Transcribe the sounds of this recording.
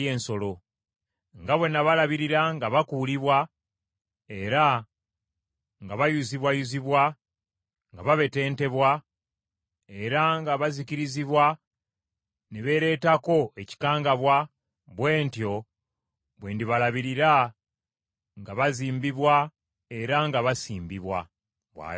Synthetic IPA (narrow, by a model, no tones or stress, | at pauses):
eːnso̞lo̞ | ŋɡaβwe̞nːaβalaβiɾiɾaŋɡaβakuːliβwa | e̞ɾa | ŋɡaβajuziβwajuziβwa | ŋɡaβaβe̞te̞ːnte̞βwa | e̞ɾaŋɡaβaziciɾiziβwa | neβe̞ɾe̞ːtako̞e̞ci̥kaːŋɡaβwa | βwe̞ːntjo̞ | βweːndiβalaβiɾiɾa | ŋɡaβaziːmbiβwa | e̞ɾaŋɡaβasiːmbiβwa̰ | βwa̰ː